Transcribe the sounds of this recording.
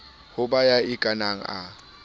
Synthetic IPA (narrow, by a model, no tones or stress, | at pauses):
hʊbajaɪkʼanaŋ̩a̰